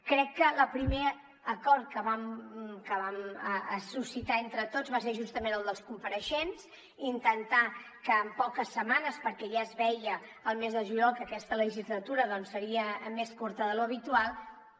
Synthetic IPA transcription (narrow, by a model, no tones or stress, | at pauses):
kɾɛkːələpɾime | əkɔɾt̪̚kəβamkəβaməəsusit̪aent̪ɾət̪ozβas̬eɾʒust̪əmenəlˠd̪əlˠskumpəɾəʃens | int̪ənt̪a | kəːmpɔkəsːəmanəspəɾkɛʒaəzβɛjəːlˠmezðəʒuʎɔlˠkəːkɛst̪ələʒizlət̪uɾəðɔnsːəɾiəmeskuɾt̪əðəluəβit̪ualˠ